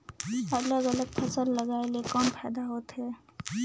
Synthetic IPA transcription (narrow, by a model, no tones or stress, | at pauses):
ɐləɡələɡ̚pʰɐsəlːɐɡaːelekɔːnpʰɛːd̪aɦoːt̪ɦɛː